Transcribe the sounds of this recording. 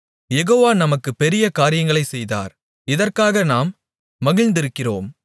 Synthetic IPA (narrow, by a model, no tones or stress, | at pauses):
jɛɣoːʋaːnɐmɐkːɯpɛɾɪjɐkaːɾɪjɐŋɡɐɭɐɪsɛjða̰ːɾ | ɪðɐrkaːɣɐnaːmː | ɐɣɪɻnd̪ɪɾɯkːɪroːm